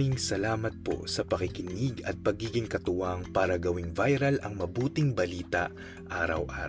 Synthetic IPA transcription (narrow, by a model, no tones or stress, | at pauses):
iŋsɐlaːmɐt̪̚po̞̰sɐpɐkɪkɪniɡɐt̪̚pɐɡiːɡɪŋkɐt̪ʊwaŋpaːɾɐɡɐwɪŋvajɾɐlɐŋmɐbuːt̪ɪŋbɐliːt̪ɐʔ | ʔaːɾɐwʔa̰ːɾ